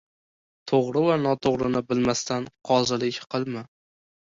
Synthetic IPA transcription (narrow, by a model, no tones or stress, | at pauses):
t̪ʰoʁɾɪvanɒt̪ʰoʁɾɪnɪbɪlmast̪ʰanqʰɒzɪlɪkʲqʰɨlˠmɪ